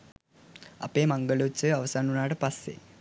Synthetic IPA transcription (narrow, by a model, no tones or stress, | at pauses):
ɐ̰peːmɐŋɡɐɭut͡ɕːɨɐʋɐsaːnunaːɽɨpɐsḛ